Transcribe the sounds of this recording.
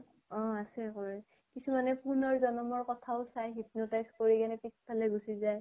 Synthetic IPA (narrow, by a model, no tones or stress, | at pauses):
ɔ̃asɛkoɹɛ | kisumanɛpuɹnɔɹzɔnɔmɔɹkɔtʰaʊsajɦit̚notajskoɹikanɛpikspʰalɛɡusizaj